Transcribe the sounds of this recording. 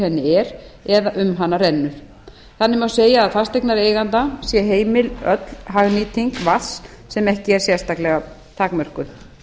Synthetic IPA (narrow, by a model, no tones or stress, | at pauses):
hɛnːɪɛɾɛðaʔʏmɦanːarɛnːʏɾ̥ | θanːɪmawseːjaːðfast̪ejknaɾeːjɣant̪asjɛɦeːjmɪlœt̪lɦaɣniːt̪iŋkvas | sɛmɛhcɪɛɾ̥sjɛrst̪aklɛɣa | t̪ʰakmœr̥kʏ